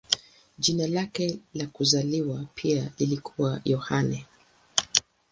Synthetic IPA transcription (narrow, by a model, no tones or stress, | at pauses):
ʄinalakɛlakuzaliwapʰiailikʰuwajɔhanɛ